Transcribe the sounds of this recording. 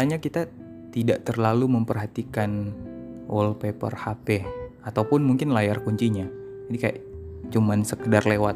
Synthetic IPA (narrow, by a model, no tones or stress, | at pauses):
aɲakit̪a | t̪idaʔt̪ərlaluməmpərɦat̪ikan | ʔɔlpepə̰rhapeat̪awpʊnmuŋkɪnlajarkuɲt͡ʃiɲa | d͡ʒadikaja̰ʔt͡ʃumansəkədarlewat̪̚